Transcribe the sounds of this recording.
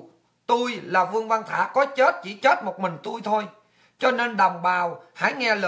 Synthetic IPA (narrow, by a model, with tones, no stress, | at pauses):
t̪u˧jlaː˨˩vɨ˧əŋva˧nt̪ʰa̰ː˧˥kɔ˨˦t͡ɕe˦˥t̚t͡ɕḭ˧˩t͡ɕe˦˥t̚mo˨˩t̚mï˨˩ŋ̟t̪u˧jt̪ʰo˧j | t͡ɕɔ˧ne˧nɗə˨˩wŋ͡mɓaː˨˩wha̰ː˧˥jŋɛ˧lə˧